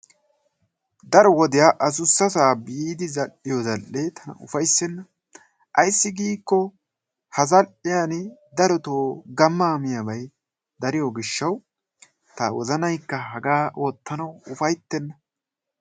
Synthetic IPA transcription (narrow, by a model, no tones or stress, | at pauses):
d̪ɐɾɔwɔd̪ɪjaʔɐsʊsːɐsaːbiːd̪ɪzɐlʔɪjɔzɐlʔet̪ʰɐnɐ̰ʊ̰fɐjsɛnːɐ | ʔɐjsːɪɡiːkːɔ | hɐzɐlʔɪjand̪ɐɾɔt̪oːɡɐmːaːmɪjɐbɐj | d̪ɐɾɪjɔɡɪʃːɐw | t̪ɐwɔ̰zɐnɐjkːɐɦɐɡaːʔo̞ːt̪ːɐnɐwʊfɐjt̪ːɛnːɐ